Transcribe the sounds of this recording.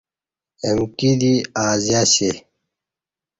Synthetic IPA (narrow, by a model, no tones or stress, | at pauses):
emkid̪iaːzaɕe